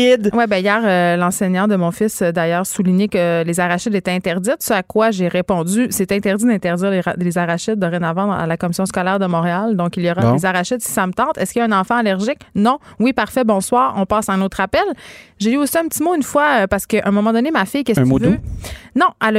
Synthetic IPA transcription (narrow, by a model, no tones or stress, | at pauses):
ɪd̪wɛbɛ̃ijɛːʁølɑ̃seɲɑ̃d̪əmɔ̃fɪsød̪ajœːʁsuliɲekəlezaʁaʃɪd̪et̪ɛɛ̃t̪ɛʁd̪zɪt̪səakwaʒeʁepɔ̃dd͡zysɛt̪ɛ̃t̪ɛʁd̪id̪ɛ̃t̪ɛʁd̪ziːʁllezaʁaʃɪt̪̚d̪əʁenavɑ̃a̰lakɔmisjɔ̃skɔlɛːʁd̪əmɔ̃ʁeald̪ɔ̃kiljɔʁad̃ezaʁaʃɪd̪si̥samət̪ɑ̃ːt̪ɛskʲiɛ̃nɑ̃fɑ̃alɛʁʒɪknɔ̃wipaʁ̥fɛbɔ̃swɑːʁɔ̃pɑːsaɛ̃noːt̪ʁapɛlʒeyosiɛ̃pət̪imoynfwaøpaʁsə̥kəʔɛ̃mɔmɑ̃d̪ɔnemafɪjkʲɛso | nɔ̃ʔal